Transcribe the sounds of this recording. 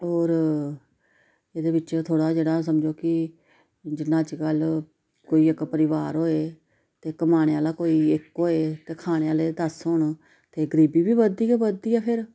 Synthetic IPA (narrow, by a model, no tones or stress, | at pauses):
oːɾ | eːd̪eːʋɪt͡ʃt̪ʰoːɽaːd͡ʒeːɽaːs̬əmd͡ʒoːkɪ | d͡ʒɪnãːt͡ʃkəl | koːiːɪkpəɾɪʋaːɾɦoːeː | t̪eːkːəmaːɽeːaːlaːkoːiːɪkɦoːeːt̪eːkʰaːɽ̃eːaːleːd̪əsɦʊɳ | t̪eːɡəɾiːbiːbiːbəd̪iːeːbəd̪iːɛːpʰɪɾ